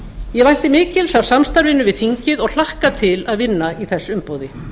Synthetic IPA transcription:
jɛvajn̥t̪ɪmɪːcɪlsavsamst̪aɾvɪnːʏvɪðfiɲcɪðɔɣl̥ahkat̪ʰɪlaðvɪnːaiθɛsːʏmpowðɪ

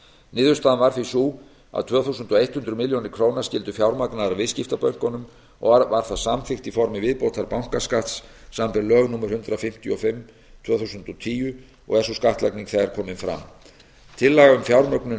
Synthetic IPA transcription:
nɪːðʏ̥st̪aːðanvaɾfisuː | a̰ðt̪ʰvœːθusʏnt̪ɔejht̪hʏnt̪ɾʏmɪljownɪɾ̥kʰɾoːwnḁscɪlt̪ʏfjawɾmaknaðɾavɪðscɪft̪apœɥŋ̥kɔnʏm | ɔ̰ɣvavaɾ̥θaðsamθɪxt̪ifɔɾmɪvɪðpowt̪ʰaɾpawŋ̥kaskaht̪sːampɛɾlœːɣnuːmaɾ̥hʏnt̪ɾafɪm̥t̪jʏɔfɪmː | t̪ʰvœːθusʏnt̪ɔt̪ʰiːjʏ | ɔ̰ɣɛsɔskaht̪lakniŋkθaɣaɾkʰɔːmɪnfɾa̰m | t̪ʰɪlːaɣaʏmfjawɾmœknʏ

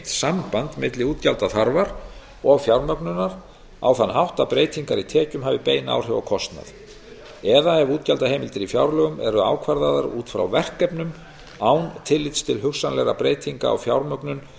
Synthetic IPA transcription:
t̪sampant̪mɪt̪lɪuːt̪calt̪aθaɾvaɾ | ɔɣfjawɾmœknʏnaɾ̥ | a̰wθanːɦawht̪apɾeːjt̪ʰiŋkaɾit̪ʰɛːcʏmɦaːvɪpeːjna̰ːwr̥ɛvakʰɔst̪na̰ð | ɛðaɛvuːt̪̚calt̪ahejmɪlt̪ɪɾifjawɾlœɣʏmʔɛɾʏa̰ːwkʰvaɾðaðaɾuːt̪fɾa̰wvɛr̥kːɛpnʏm | awnt̪ʰɪlːɪt̪st̪ʰɪlɦʏkxsanlɛɣɾapɾeːjt̪ʰiŋka̰ːwfjawɾmœknʏn

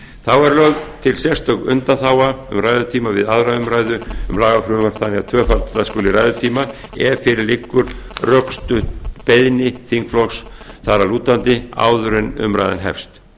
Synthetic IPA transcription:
θawɛɾlœɣt̪ʰɪlsjɛ̥st̪œkʏ̰nt̪aθaːwaʏmraːjðʏt̪ʰiːmavɪðaðɾaʏmɾajðʏʏmlaːɣafɾʏʏmaɾ̥θʰaniat̪ʰvœːfat̪ːaskʏːlɪɾaːjðʏɾt̪ʰiːmaɛvfɪɾɪɾlɪkːʏɾ̥rœkst̪ʏpejðnɪθiŋkflɔksθaɾaluːt̪ant̪ɪa̰ːwðʏɾɪnʏ̰mɾa̰jða̰nɦɛ̰fst̪

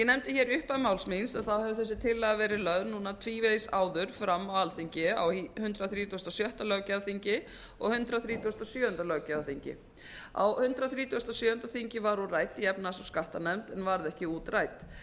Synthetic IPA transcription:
jɛnɛmt̪ɪçɛːɾʏhpamaːwlsminsɛnθawhɛvʏθɛsːɪt̪ʰɪlːɛɣavɛːɾɪlœðɾnuːnat̪ʰviːveðsaːwðʏɾ̥fɾamːawalθiɲcɪa̰wihʏnt̪ɾaθɾiːt̪ust̪asjœht̪alœɣcaðθiɲcɪ | ɔ̰ɣhʏnt̪ɾaθɾiːt̪ʰust̪asjœːʏnt̪alœɣcaðaθiɲcɪ̰ | a̰whʏnt̪ɾaθɾiːt̪ust̪asjœːhʏnt̪aθiɲcɪvaɾuraːjt̪ɪɛpnasɔskaht̪anɛmt̪ɛnvaɾðɛhcɪuːt̪raːjt̪

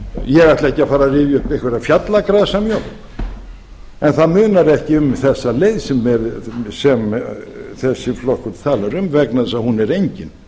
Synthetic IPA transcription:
jɛɣajht̪lɛhcːɪafaːɾarɪvjʏt̪ehkvɛɾafjat̪lakɾaːsamjo | ɛnθaðmʏːnaɾɛhcɪʏmθɛsːalejðsɛmːɛðsɛm | θɛsːɪflɔhkʏt̪t̪ʰaːlaɾʏmvɛknaðsaðhunɛɾejɲcɪn

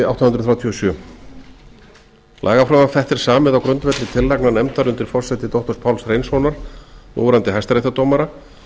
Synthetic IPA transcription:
awt̪anʏnt̪ɾʏ̥θɾaːwt̪ʰiɔsjœː | lʔa̰ːɣafɾœːvafɛht̪ɪɾ̥saːmɪðawkɾʏnt̪vɛt̪lɪt̪ʰɪlːajknanɛmt̪aɾʏnt̪ɪɾ̥fɔr̥sɛjt̪ɪt̪ɔwht̪ɔɾspʰawlsreːjnsvownaɾ̥ṵːɾant̪ɪɦɛjst̪aɾejt̪at̪owmaɾa

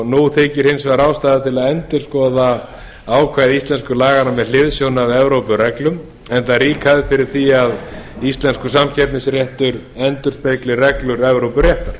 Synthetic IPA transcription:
nuθeːcɪɾ̥hɪnsvaɾaːwst̪aːðɪt̪ʰɪlaðɛnt̪ʏɾ̥skɔːða | aːwkʰvaːjðist̪ɛnskʏlaːɣanamɛðlɪðsjownavɛvɾowpʏrɛklʏm | ɛnt̪aɾiːkʰaðɪfɪɾɪɾ̥θiaðist̪lɛnskʏsamcʰɛp̪nɪsrjɛht̪ʏɾɛnt̪ʏɾ̥spejklɪrɛklʏɾɛvɾowpʏrjɛht̪aɾ̥

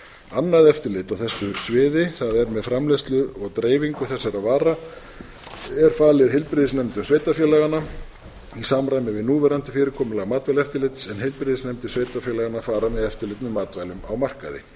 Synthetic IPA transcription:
anːaðɛft̪ɪɾlɪt̪awθɛsːʏsvɪːðɪθaðɛɾmɛðfɾamlest̪lʏɔɣt̪ɾeːjviŋkʏθɛsːaɾaðvaːɾa | ɛɾ̥faːlɪðɦɪlpɾɪðɪsnɛmt̪ʏmsveːjt̪afjɛlɛɣana | isaːmɾajmɪvɪðnuːvɛɾant̪ɪ̥fɪːɾɪkʰɔːmʏlaɣmaːt̪vajlɛft̪ɪɾlɪt̪sɛnɦɪlpɾɪðɪsnɛmt̪ɪsveːjt̪afjɛːlɛɣanafaːɾamɛðɛft̪ɪlɪt̪nʏmːaːt̪vajlʏmawmar̥ka̰ðɪ̰

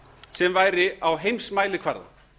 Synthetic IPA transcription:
sɛmvaːjɾɪawɦejmsmaːjlɪkʰvaɾða̰

